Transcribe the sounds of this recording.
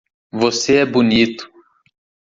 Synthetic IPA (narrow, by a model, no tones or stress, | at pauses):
voseɛbunit̪ʊ̥